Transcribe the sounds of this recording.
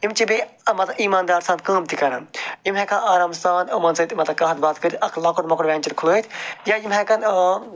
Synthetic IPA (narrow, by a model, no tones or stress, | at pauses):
imt͡ʃibimɐt̪ɐiːmaːnd̪aːɾsaːnd̪kəːmt̪ikɐɾɐnimɦɐkʰãaːɾaːmst̪ãːnd̪ɐmɐnsɐt̪mɐt̪ɐkɐɦɐt̪̚baːt̪kəɾʲiʔɐkʰlɐkoɾmɐkɐɽʋʲẽːnt͡ʃɐɾkʰuloːt̪ʰjajimɦɐkɐn